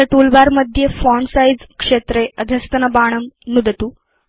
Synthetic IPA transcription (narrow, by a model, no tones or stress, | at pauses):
əʈulbaɾməd̪ʱjefɔɳɖsajd͡zkʂet̪ɾeəd̪ʱəst̪ənəbaɽ̃əmnud̪ət̪u